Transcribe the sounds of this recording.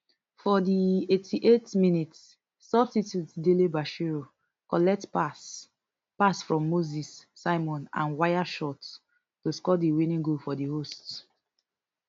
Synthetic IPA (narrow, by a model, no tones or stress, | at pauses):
fɔdietʰiʔetminitsː | ɔbsitjutdelibaʃiɹo | kɔlɛk̚tpas | pasfɹɔ̃mːozisːaɪmɔ̃nã̰nwaɪaʃɔt | tuskɔdiwinĩŋɡofɔdihost